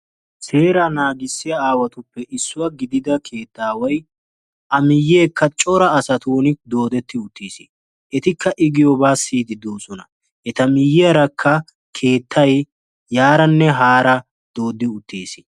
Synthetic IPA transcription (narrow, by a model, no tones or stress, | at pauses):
seːɾɐnaːɡɪsːɪjɐaːwɐt̪ʊpːɛʔɪsːʊwɐɡɪd̪ɪd̪ɐkʰe̞ːt̪ːaːwɐj | ʔɐmɪjːe̞ːkːɐt͡ʃʼɔɾɐːsɐt̪uːnɪd̪o̞ːd̪ɛt̪ːɪʊt̪ːiːsɪ | ʔɛt̪ɪkːɐʔɪɡɪjɔbaːsiːd̪ɪd̪oːsɔnɐ | ʔɛt̪ɐmɪjːɪjɐɾɐkʰːɐ | kʰe̞ːt̪ʰːɐj | jaːɾɐnːɛɦaːɾɐ | d̪̥oːd̪ɪʊt̪ːḭːsɪ̥